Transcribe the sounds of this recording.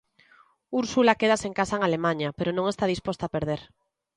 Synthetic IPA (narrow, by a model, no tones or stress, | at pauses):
uɾsulakeð̞aseŋkasaeŋalemãɲapeɾonõŋest̪aðispost̪aːpeɾð̞eɾ